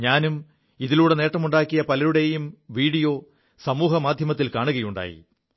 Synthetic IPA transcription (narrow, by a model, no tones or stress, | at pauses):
ɲaːnum | iðiluːɽe̞ne̞ːʈːɐmuɳɖaːkːijɐpɐlɐɾuɽe̞jumʋiːɽijo̞ː | sɐmuːɦɐmaːd̪ʱjɐmɐt̪ːilkaːɳuɣɐjuɳɖa̰ːjḭ